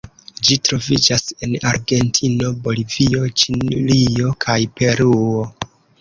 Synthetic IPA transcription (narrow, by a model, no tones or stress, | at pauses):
d͡ʒitɾo̞vid͡ʒase̞na̰ɾɡe̞ntʰino̞bo̞livio̞t͡ʃinlio̞kʰajpe̞ɾuo